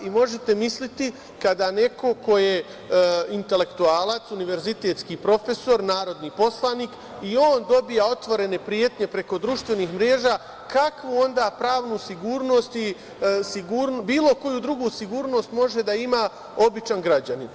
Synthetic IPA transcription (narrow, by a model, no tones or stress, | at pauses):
imo̞ʒe̞t̪e̞mislit̪i | kad̪ane̞ko̞ko̞je̞ | int̪e̞le̞kt̪uaːlˠat̪suniʋe̞ɾzit̪e̞ːt̪skiːpɾo̞fe̞so̞ɾnaːɾo̞d̪nipo̞slˠaniːk | io̞ːnd̪o̞bijao̞t̪ʋo̞ɾe̞ne̞pɾije̞t̪ɲe̞pɾe̞ko̞d̪ɾuʃt̪ʋe̞niːxmɾeːʒaː | kakʋuo̞nd̪aːpɾaːʋnusiɡuːɾno̞st̪i | siɡuːɾnbiːlˠo̞ko̞jud̪ɾuɡuːsiɡuːɾno̞ːst̪mo̞ʒe̞d̪aima | o̞bit͡ʃanɡɾad͡ʑanin